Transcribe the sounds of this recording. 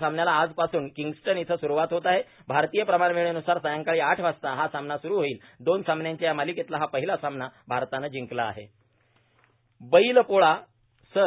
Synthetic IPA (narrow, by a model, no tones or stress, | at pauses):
samnjalaːd͡zpasuːnkiŋɡsʈənit̪ʰəsuɾuʋat̪ɦot̪aɦe | bʱaɾt̪ijəpɾəmanʋeɭ̃enusaɾsajaŋkaɭiːaʈʰʋast̪aɦasamnasuɾuːɦoiːl | d̪onsamnjaɲt͡ɕajamaliket̪laɦapəɦilasamnabʱaɾt̪anad͡ʑiŋkla̰ːɦḛ | bəilpoɭa | sə